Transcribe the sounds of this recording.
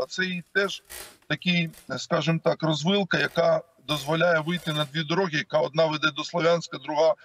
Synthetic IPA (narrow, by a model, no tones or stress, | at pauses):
ɐt̪sɛjit̪ɛʒ̥t̪ɐkʲɪjskɑʒɪmt̪ɑkrɔzʋɪlˠkɐjɐkɑ | d̪ɔzʋɔlʲajɛʋɪjt̪ɪnɐd̪ʲʋʲid̪ɔɾɔɦʲijɐkɑɔd̪nɑʋɛd̪ɛd̪ɔslˠɔʋʲjansʲkɐd̪ɾʊɦɑ